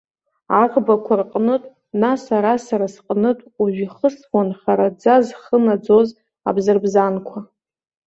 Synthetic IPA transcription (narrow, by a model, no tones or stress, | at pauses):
aqʼbakʷʰarqʼnɨtʼ | nasaɾasaɾasqʼnɨtʼuʒʷᶣiχəsanχaɾad͡zazχənad͡zo̞z | a̰bzɨrbzankʷʰa